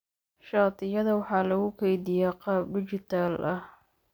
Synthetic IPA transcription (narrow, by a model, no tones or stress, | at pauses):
ʃɑːt̪ʰɪjɐðɐwɑħɑːlɐɣʊkʰɛjd̪ɪjaqɑːb̚ɖɪt͡ʃɪt̪ʰaːlʔɐh